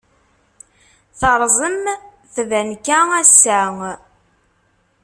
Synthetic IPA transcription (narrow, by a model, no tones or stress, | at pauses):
θəɾˤzˤəm | θvænkææsːæŋ